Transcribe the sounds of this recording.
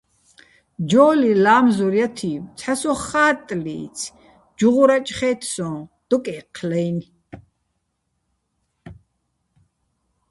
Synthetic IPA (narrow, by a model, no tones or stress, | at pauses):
d͡ʒɔːlilaːmzuɾjat̪ʰimt͡sʰħasɔχaːt̪ʼlḭːt͡sʰ | d͡ʒuʁuɾat͡ʃʼχɛːt̪ʰsɔ̃ːd̪̥ɔkʼɛːqʰlɛjn